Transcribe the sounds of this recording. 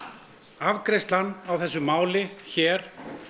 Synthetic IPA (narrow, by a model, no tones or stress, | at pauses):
avkɾest̪lanːawθɛsːʏmaːwlɪçɛːɾ̥